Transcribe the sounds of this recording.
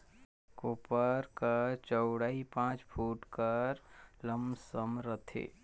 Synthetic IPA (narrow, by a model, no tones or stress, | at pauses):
koːpəɾkəɾt͡ʃəʊɽaipãːt͡ʃpʰuːʈkəɾləmsəmɾət̪ʰḛː